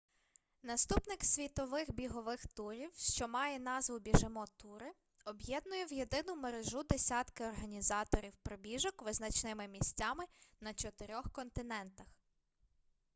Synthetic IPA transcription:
nɐst̪upnɪksʲʋʲit̪ɔʋɪxbʲiɦɔʋɪxt̪uɾʲiwʃt͡ʃɔmɑjɛn̪ɑzʋʊbʲiʒɪmɔt̪uɾɪ | ɔbjɛd̪̚nʊjɛwje̞d̪ɪnʊmeɾeʒud̪esʲɑt̪kɪɔrɦɐnʲizɑt̪ɔɾʲiwpɾɔbʲiʒɔkʋɪznɐt͡ʃnɪmɪmʲisʲtʲɑmɪnɐt͡ʃɔt̪ɪɾʲɔxkɔnt̪ɪnɛnt̪ɐx

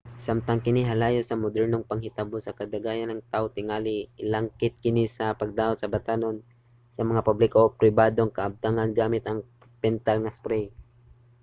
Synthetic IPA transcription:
samt̪ɐŋkɪniɦalaːjosɐmʊd̪ɛɾnoŋpɐŋhɪt̪abosɐkɐd̪aɡaːjanɐŋt̪aʔot̪ɪŋaːliɪlaŋkɪt̪̚kɪnisɐpɐɡ̚d̪aːot̪̚sɐbat̪aːnon | sɐmɐŋapublɪkoʔpɾɪbaːd̪oŋkɐʔɐb̚t̪aŋanɡaːmɪt̪ɐŋ | pɛnt̪alŋaspɾɛj

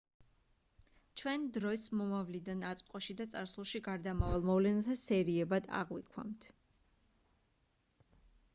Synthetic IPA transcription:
t͡ʃʰwɛnd̪ɾɔsmɔmavlid̪anat̪sʼqʼɔʃid̪at̪sʼaɾsulˠʃiɡaɾd̪amavalˠmɔvlɛnat̪ʰasɛɾiɛbad̪a̰ʁwikʰwa̰mt̪ʰ

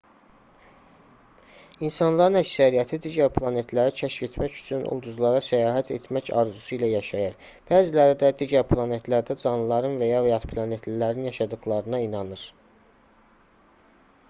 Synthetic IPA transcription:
insɑnlˠɑɾɯnæcsæɾijæt̪ʰid̪iɟæɾpʰlˠɑne̞t̪ʰlæɾit͡ʃʰæʃfe̞t̪ʰmæcy̥t͡ʃʰynʔṵlˠd̪uzlˠɑɾɑsæjɑːɦæt̪ʰḛt̪ʰmæcɑɾzusuilæjɑʃɑjɯɾ | b̥æːzilæɾid̪æd̪iɟæɾpʰlˠɑne̞t̪ʰlæɾd̪æd͡ʒɑnˠɯlˠɑɾɯnvæjɑvejɑt̪pʰlˠɑne̞t̪ʰlilæɾinjɑʃɑd̪ɯɣlˠɑɾɯnɑinɑnɯɾ

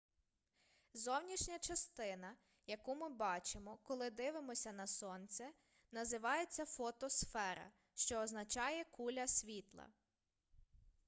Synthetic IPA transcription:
zɔwnʲiʃnʲɐt͡ʃɐst̪ɪnɐ | jɐkumɪbɑt͡ʃemɔkɔlˠɪd̪ɪʋɪmɔsʲɐnɐsɔnt͡sʲɛ | nɐzɪʋɑjet͡sʲːɐfɔt̪ɔsfɛɾɐ̰ | ʃt͡ʃɔːznɐt͡ʃɑjɛkulʲɐsʲʋʲit̪lˠɐ̰

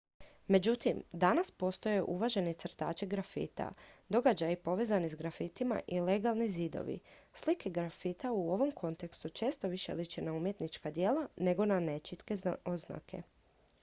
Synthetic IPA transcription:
me̞d͡ʑut̪imd̪anaspo̞st̪o̞jeʔuʋaʒe̞net̪sɾ̩t̪a̰ːt͡ʃiɡɾafḭːt̪a̰d̪o̞ɡad͡ʑajipo̞ʋe̞ːzanizɡɾafit̪ima̰ʔile̞ɡalˠnizid̪o̰ʋḭslikeɡɾafit̪auo̞ʋo̞mkʰo̞nt̪e̞kst̪ut͡ʃe̞ːst̪o̞ʋiʃḛlit͡ɕenaumje̞t̪nit͡ʃkad̪je̞ːlane̞ɡo̞nane̞t͡ʃit̪ke̞ozna̰kʰe̞̰

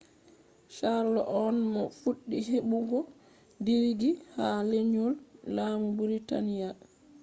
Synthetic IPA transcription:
ʃaɾlɔʔɔnmɔfuɗːiɦeɓuɡɔ | diɾɡihaleɲulːaːmubuɾita̰nija

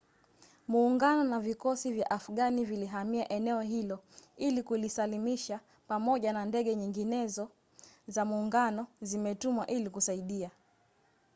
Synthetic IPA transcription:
muːŋɡanɔnavikɔsivja̰ʔafuɠaniviliɦamiaʔɛnɛɔɦilɔilikulisalimiʃa | pamɔʄanandɛɠɛɲiŋɡinɛzɔ | zamuːŋɡanɔzimɛtumwa̰ʔilikusaiɗia

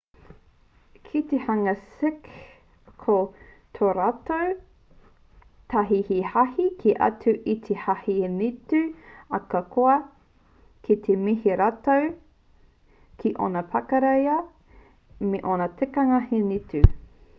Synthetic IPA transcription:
kʰit̪ehɐŋɐsɪk | kʰo | tʰoɾatow | t̪ʰaɦihihahikʰiʔɐ̰tʉʔit̪ʰehahinitʉɐkɐkʰoɐ | kʰit̪ʰemiɦiɾatow | kʰiʔo̰nɐpʰɐkɐɾejɐ | meʔonɐtʰekɐŋɐhinitʉ

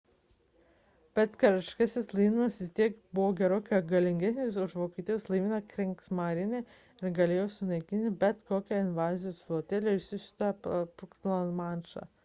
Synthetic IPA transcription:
b̥ʲɛt̪kɐɾɪʃʲkɐsʲɪslˠiɪmɐsʋʲɪsʲt̪ʲiɛkbʊʋoːɡʲɛɾoːkʲoɐɡɐlʲɪŋʲɡʲɛsʲnʲesʊʃʋoːkʲiːt̪ʲiːjɛːslˠɐɪmʲɪnɐkɾʲɛŋksmaɾʲɪnʲe | ɪɾɡɐlʲeːjoːsʲʊnɐɪkʲɪnʲt̪ʲɪbʲɛt̪koːkʲɛɪnʲʋɑːzʲɪjoːsoːt̪ʲɛlʲeɪʃʲsʲɪʃʲɪ̥t̪ɐpʊk̪lˠɐnmɑnʃɑ̰

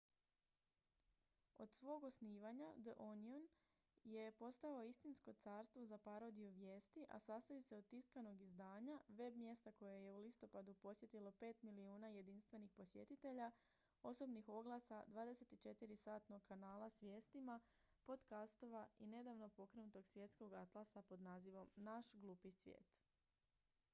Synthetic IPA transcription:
o̞̰d̪sʋo̞ːɡo̞sniːʋaɲad̪əʔonion | je̞po̞st̪aoist̪insko̞t̪saːɾst̪ʋozapaɾo̞d̪ijuʋje̞ːst̪iʔa̰sast̪ajuse̞od̪̚t̪iskano̞ɡizd̪aːɲaʋe̞bmje̞st̪ako̞jaje̞ulist̪o̞pad̪upo̞sje̞t̪ilo̞pe̞ːt̪miliuːnaje̞d̪inst̪ʋe̞nixpo̞sje̞̰t̪it̪e̞ʎa | o̞so̞bnixo̞ɡlasad̪ʋaːd̪e̞se̞t̪it͡ʃe̞t̪iɾisaːt̪no̞ɡ̚kanaːlˠasʋje̞ːst̪ima | po̞d̪kast̪o̞ʋaine̞d̪aʋno̞po̞kɾenut̪o̞ɡsʋje̞t̪sko̞ɡat̪lˠasapo̞d̪naːziʋo̞mnaʃɡlˠuːpisʋjḛːt̪

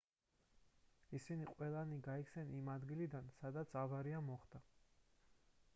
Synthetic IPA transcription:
isiniqʼwɛlˠaniɡaikʰsɛnimad̪ɡilid̪ansad̪at̪sʰavaɾiamɔχd̪̥a

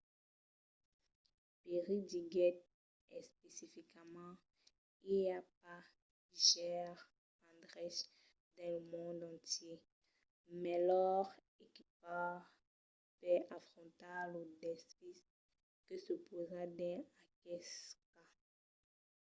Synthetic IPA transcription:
peʁid̪iɡɛt̪̚ | ɛspesifikmɑ̃ | iljap̚a | iʃɛʁ | ɑ̃d̪ʁɛʃ | d̪ɛ̃lmɔ̃d̪ɑ̃t̪je | mɛlɔʁ | ekip̚a | pɛʔafχɔ̃t̪alod̪ɛspis | kəsəpozad̪ɛ̃akɛska

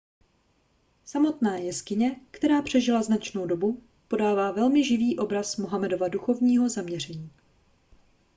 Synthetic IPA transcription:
samo̞t̪naːjɛskɪɲɛkt̪ɛɾaːpr̥ɛʒɪlaznat͡ʃno̞wdo̞bu | po̞daːvaːvɛlmɪʒɪviːʔo̞bɾasmoɦamɛdo̞vaduxo̞vɲiːɦo̞zamɲɛr̝ɛɲiː

